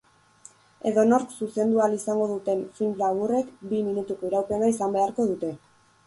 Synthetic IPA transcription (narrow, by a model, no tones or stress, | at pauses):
e̞ðo̞no̞ɾksuse̞nd̪ualisaŋɡo̞ðut̪e̞mfinlaβure̞kbiminut̪uko̞iɾawpe̞naisambe̞aɾko̞ð̞ut̪e̞